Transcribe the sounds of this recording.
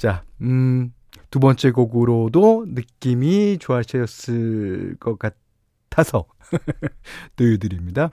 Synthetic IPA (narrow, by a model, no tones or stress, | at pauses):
t͡ɕa | tubʌnt͡ɕ͈e̞ɡoɡuɾodonɯk͈imit͡ɕoaɕʰʌjʌs͈ɯɭkʌk͈at | tʰasʰʌ | tɯjudɯɾimɲida